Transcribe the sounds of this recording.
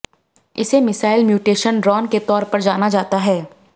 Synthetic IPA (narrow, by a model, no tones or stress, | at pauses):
ɪ̰semɪsaːɪlmjuːʈeːʃənɖɾɔːnket̪ɔːɾpɐɾd͡ʒaːnad͡ʒaːt̪aɦɛː